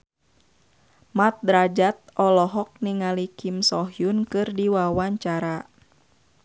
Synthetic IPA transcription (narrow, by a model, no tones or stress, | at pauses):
mat̪̚dɾad͡ʒat̪̚ɔlɔɦɔk̚niŋalikimsɔɦjunkɨrdiwawaɲt͡ʃaɾa